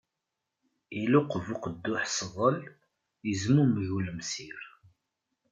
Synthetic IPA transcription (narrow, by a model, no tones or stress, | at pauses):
ilʊqvuqəd̪ːʊħsðˤəl | əzmumʝuləmsiɾ